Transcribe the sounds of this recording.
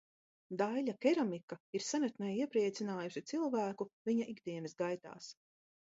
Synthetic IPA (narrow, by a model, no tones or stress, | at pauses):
d̪ajlakʲɛɾamikaiɾsanɛt̪nɛjiɛpɾiɛt̪sinaːjuʃit̪silˠvæːkuviɲaʔiɡd̪iɛnsɡajt̪a̰ːs